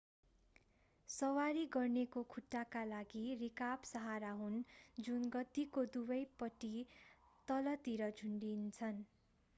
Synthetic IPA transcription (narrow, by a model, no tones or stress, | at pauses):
sʌwaɾiɡʌrnekokʰuʈːakalaɡirikabsʌɦaɾaɦund͡zunɡʌt̪ikod̪ubʌjpʌʈi | t̪ʌlʌt̪iɾʌd͡zʱuɳɖint͡sʰʌn